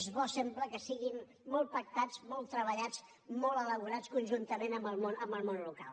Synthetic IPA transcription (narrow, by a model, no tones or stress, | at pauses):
zβɔsɛmbləkəsiɣimː | ɔlˠt̪̚pək̚t̪ad͡zmɔlˠt̪ɾəβ̞əʎad͡z | mɔlˠələβuɾat͡skunʲʒunt̪əmenəmbəlˠmonəmbəlˠmonluka̰lˠ